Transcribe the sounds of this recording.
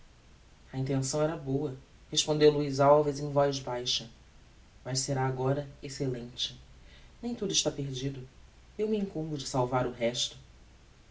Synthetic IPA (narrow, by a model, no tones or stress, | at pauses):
ɐĩnt̪̬ẽsɐ̃w̃ɛɾɐbowɐ | heʃpõnd̪ewluizawvɐzẽj̃vɔjzbajʃɐ | mɐʃseɾaːɡɔɾɐeselẽnt͡ʃɪ̥nẽj̃t̪ud̪ʊɪʃt̪apeɾd͡ʒid̪ʊ | ewmiĩŋkũmbʊd͡ʒɪsawvaɾʊɦɛʃt̪ʊ̥